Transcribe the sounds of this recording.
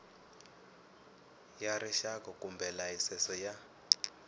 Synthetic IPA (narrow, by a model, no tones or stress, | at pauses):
jaɾiʃakɔkʼumbʱɛlaisɛsɔja